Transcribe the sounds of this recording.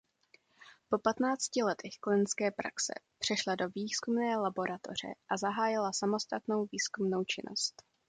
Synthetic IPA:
po̞pat̪naːt͡scɪlɛt̪ʰɛxklɪnskɛːpɾa̰ksɛ̰pr̝̥ɛʃlado̞viːskumnɛːlabo̞ɾʔat̪o̞̰r̝ɛ̰ʔazaɦaːjɪlasamo̞st̪at̪no̞wviːskumno̞wt͡ʃɪnʔo̞̰st̪

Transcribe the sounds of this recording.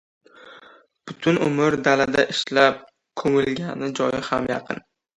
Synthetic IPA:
b̥ʊt̪ʰʊnʊ̰mɪɾd̪alad̪aʔɪʃlap̚ | kʰɵmɪlɡʲanɪd͡ʒɒjɪhamjɑqʰɨ̰n

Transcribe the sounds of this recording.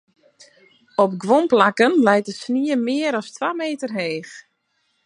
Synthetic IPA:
ɔp̚ɡʋɔmplakənlɛjtəsniəmɪəɾɔstʋaːmeːtərɦeːx

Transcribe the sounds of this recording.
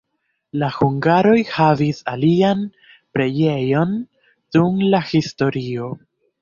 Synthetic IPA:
lahuŋɡaɾo̞jhavisalian | pɾe̞je̞jo̞n | d̥umlahisto̞ɾio̞

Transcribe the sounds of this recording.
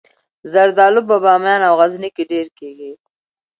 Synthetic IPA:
zɐɾd̪aːlʊbabaːmjɑːnawɣɐznikiɖeːɾkeːɡi

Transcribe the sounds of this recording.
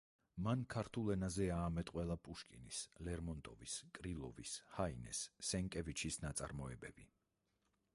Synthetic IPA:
mankʰaɾt̪ʰulˠɛnazɛaːmɛt̪ʼqʼwɛlˠapʼuʃkʼinislɛɾmɔnt̪ʼɔviskʼɾilˠɔvishainɛ̰sːɛŋkʼɛvit͡ʃʰisnat̪sʼa̰ɾmɔɛbɛbi

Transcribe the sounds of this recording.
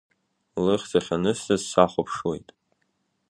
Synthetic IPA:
lɨχʲt͡sʰaχʲanɨstʰazsaχʷapʰʂwejtʼ

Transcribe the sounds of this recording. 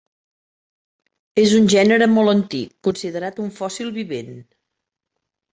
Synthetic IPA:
ezunʲʒɛnəɾəmɔlˠənt̪ikːunsiðəɾat̪uɱfɔsilˠβiβen

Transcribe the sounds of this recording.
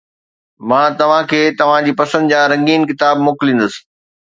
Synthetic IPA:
mãːt̪ɐʋ̤ãkʰeːt̪ɐʋ̤ãd͡ʑiːpɐsə̃nd̪d͡ʑãːɾɐ̃ŋɡiːnkɪt̪aːbmʊːklĩːn̆d̪əsɪ̥̆

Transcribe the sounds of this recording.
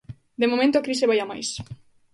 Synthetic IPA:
d̪emomẽnt̪oakɾiseβajama̰js

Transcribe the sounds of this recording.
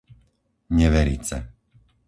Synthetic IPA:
ɲɛʋɛɾḭːt͡sɛ̰

